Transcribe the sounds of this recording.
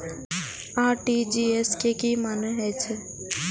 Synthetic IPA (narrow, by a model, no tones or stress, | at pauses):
aːʈid͡ʒiːɛskekimanəɦɛt͡ʃʰe